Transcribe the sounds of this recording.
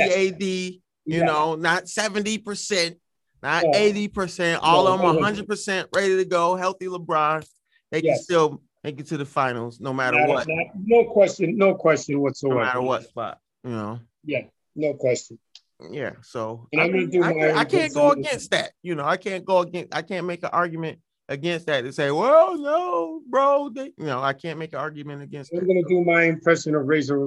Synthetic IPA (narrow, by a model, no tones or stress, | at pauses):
eɪdi | jɨnoʊnətsɛvɨ̃n̩tipʰə˞sɛ̃n | nəeɪɾipʰə˞sɛ̃ntɔlˠə̃mə̃ɦʌ̃ndɹəd̚pə˞sɛ̃nʔɹeɪɾiɾɨɡoʊɦɛlˠθiləbɹɑ̃nz | ðeɪjɛstɪlˠ | ðeɪɡɛtʰɨðɨfãɪ̃nl̩ˠznoʊmæɾə˞wʌt̚nanoʊkʰw̥ɛst͡ʃɨ̃nːoʊkʰw̥ɛst͡ʃɨ̃nwʌtsoʊ̃mæɾə˞wʌtb̥ʌ̰t̚jɨnoʊ | jæ | noʊkʰw̥ɛst͡ʃɨ̃n | jæ̰soʊɨ̃naɪ̃mɡʌnɨdɨaɪmaɪaɪkʰæ̃nɡ̥oʊəɡɛ̃nst̪̚ðæ̰t̚jɨnoʊaɪkʰæ̃nɡ̥oʊəɡɛ̃nsa̰ɪkʰæ̃nmeɪkɨ̃nʔɑɹɡjmɨ̃nt̚ | ʔɨɡɛ̃nst̪̚ðætɨ̃nseɪwɛlˠnoʊbɹoʊejɨnoʊaɪkʰæ̃nmeɪkɨ̃nɑɹɡjɨmɨ̃ntɨɡɛ̃nsãɪ̃mɡʌnɨdɨmaɪɨ̃mpʰɹ̥ɛʃɨ̃nʌvɹeɪzə